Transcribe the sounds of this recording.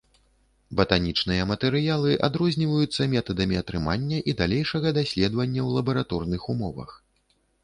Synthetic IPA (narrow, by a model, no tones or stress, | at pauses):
bɐt̪anʲit͡ʂn̪ɨjɐmɐt̪ɛɾɨjalˠɨʔa̰d̪ɾɔzʲnʲivɐjut̪sːɐmʲɛt̪ɐd̪ɐmʲiɐt̪ɾɨmanʲːɐʔid̪alʲejʂɐɣɐd̪asʲlʲɛd̪vɐnʲːɐwlˠɐbɐɾat̪ɔrnɨxumɔvɐ̰x